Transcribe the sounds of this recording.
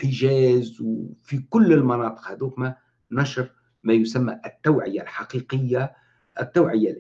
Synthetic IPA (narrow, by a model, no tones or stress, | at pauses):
əʒæːzwfikʊlːəlmɑnɑːt̪ˤə̥qhæd̪uːkmæ | nɑʃɾ | mæjʊsæmːæ̰ʔt̪ːawʕəjalħɑqiqəjːa | ʔət̪ːawʕəjːa